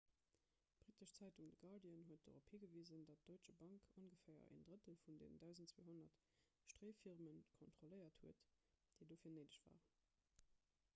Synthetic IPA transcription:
b̥ʁitəʃt͡sæɪtuŋdəɡɑdiənɦuət̚d̥o̰ʁopʰhiːɡəviːzəndɑt̚d̥oɪt͡ʃɐbɑŋkʰonɡəfæɪɐ̰ʔḛndʁətəlfundḛːnəndæʊzəntt͡sːwḛːɦonɐt | ʃtʁeːfiʁmənkʰontχoləɪɐthuət | d̥əɪdoːfiːɐnəɪdəɕv̥a̰ːʁən

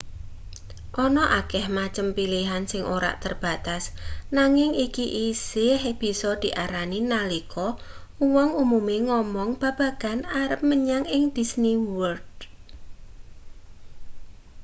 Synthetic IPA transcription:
ʔɔnɔʔakɛhmat͡ʃəmpiliɦansɪŋʔoɾa̰ʔt̪ərb̥a̤t̪asnaŋɪŋikiʔisɪhb̥i̤sɔd̪̥i̤ʔaɾaninalikʰɔ | uwɔŋumumeŋɔmɔŋb̥ä̤b̥ä̤ɡ̥a̤naɾəp̚məɲaŋɪŋd̪̥i̤sniwərd̪̥̚

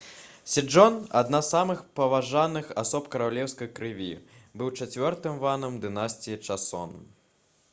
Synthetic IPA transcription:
sʲɛd͡ʐɔna̰d̪nassamɨxpɐvaʐanɨxasɔpkɐɾawlʲɛwskɐjkɾɨvʲibɨwt͡ʂat͡sʲvʲɔrt̪ɨmvanɐmd̪ɨnasʲt͡sʲijit͡ʂasɔ̰nm

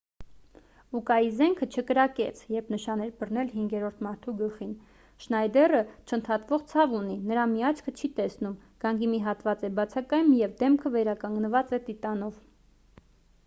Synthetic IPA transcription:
ukɑjizɛŋkʰət͡ʃʰəkəɾɑkɛt͡sʰjɛɾpʰnəʃɑnɛɾbərnɛlɦiŋɡɛɾɔɾt̪ʰmɑɾt̪ʰuɡəlχin | ʃnɑjd̪ɛrət͡ʃʰənt̪ʰɑt̪vɔʁt͡sʰɑvuninəɾɑmiɑt͡ʃʰkʰət͡ʃʰit̪ɛsnumɡ̥ɑŋɡimiɦɑt̪vɑt͡sɛbɑt͡sʰɑkɑjumjɛvd̪ɛmkʰəvɛɾɑkɑŋɡnəvɑt͡sɛt̪it̪ɑn̪ɔv

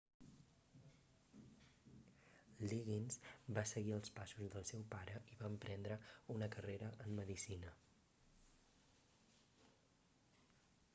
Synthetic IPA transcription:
liɣinzbasəɣiəlˠspasuzðəlˠsɛwpaɾəʔiβaəmpɾɛnd̪ɾəunəkəreɾəʔəmːəðisinə

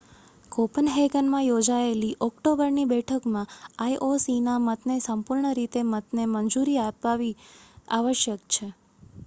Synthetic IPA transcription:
kopənɦeɡənmãjod͡ʒaeliʔɔkʈobəɾnibɛʈʰəkmãaiʔosinamət̪nesəmpuɾɳəɾit̪emət̪nemənd͡ʒuɾiapːaʋia̰ʋəʃjəkt͡ʃʰe

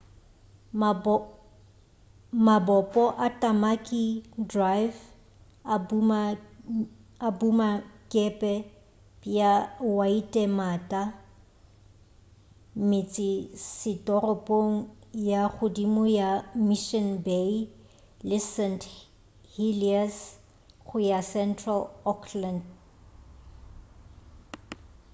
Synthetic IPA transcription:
mabɔpʼɔʔatʼamakʼidrajv | a | abumakʼɛpʼɛ | pʼjawaitʼɛmaːtʼa | mɪt͡sʼɪsɪtʼɔrɔpʼoŋ̩jaχʊdimʊjamiʃɔnbe | lɪsɛnt | hilias | ɣʊjasɛntʰʼralɔkʰland

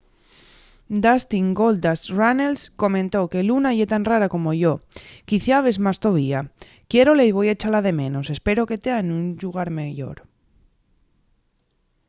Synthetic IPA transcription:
d̪ast̪iŋɡo̞ld̪asranelsko̞mẽnt̪o̞ke̞lunaʝe̞t̪anraɾako̞mo̞ʝo̞kiθjaβezmast̪o̞β̞ia | kje̞ɾoleiβ̞o̞jaet͡ʃalaðe̞mẽ̞no̞se̞spe̞ɾo̞ke̞t̪eaenunʎuɣ̞aɾmeʝo̞̰ɾ

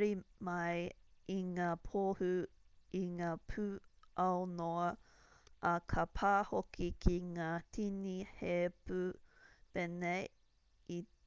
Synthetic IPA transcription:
ɾimɐjiŋaːpʰoːhʉiŋaːpʰʉʔɐwnoɐ | ʔɐkʰɐpʰaːhokikʰiŋaːtʰinihepʉpenej | i

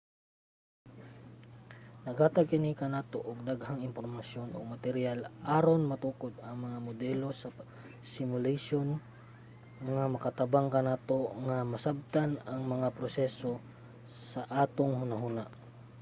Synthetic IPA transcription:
nɐɡhaːt̪ɐɡ̚kɪnikɐnaːt̪o̞ʔoɡ̚d̪aɡhaŋɪmpoɾmɐsjo̞nʔo̰mɐt̪ɛɾjalʔaːɾonmɐt̪uːkod̪ɐŋmɐŋamod̪ɛlo̞sɐ | sɪmʊlaʃon | ŋamɐkɐt̪ɐbaŋkɐnaːt̪o̞ŋɐmɐsab̚t̪anɐŋmɐŋapɾosɛso̞ | sɐʔaːt̪oŋhʊnaɦunaʔ

